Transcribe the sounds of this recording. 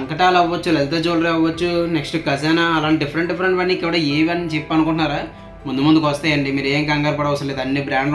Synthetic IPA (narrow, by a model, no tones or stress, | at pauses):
ɐŋkɐʈaːlɐʋʋɐt͡ʃːulelt̪eːd͡ʒoːlɾeɐʋʋɐt͡ʃːuneksʈukɐs̬ɛːnaɐlaːɳʈɖifʰɐɾeɳʈɖipʰɐɾeɳʈʋɐɳnːikɛʋɐɽɐːeːʋiɐnːit͡ʃepːɐnukuɳʈunːaːɾaː | mund̪umund̪ukʋɐst̪aːjɐɳɖimiːɾeːŋkɐŋɡaːɾpɐɽɐʋɐsɐnled̪ɐnːiːbɾaːɳɖ